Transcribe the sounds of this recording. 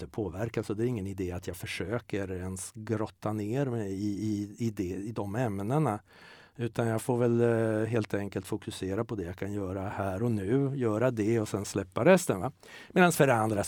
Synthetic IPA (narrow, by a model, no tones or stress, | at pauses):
t̪əpʰoːvæɾkasɔd̪ɛːɾɪŋːənɪd̪eːat̪ʰjɑːɡfœʂøːkəɾɛnsɡɾɔt̪ʰːaneːɾmɛɪɪɪd̪ɛɪd̪ɔmɛmnəɳa | ʉ̟ːt̪anjɑɡfoːɾvɛlɦeːlt̪ɛŋkəlt̪fʊkɵseːɾapʰɔd̪ɛjakʰanjœːɾahæːɾɔnʉ̟ːjœːɾad̪ɛɔsɛnslɛpːaɾɛst̪ənva | meːd̪ansfœɾand̪ɾa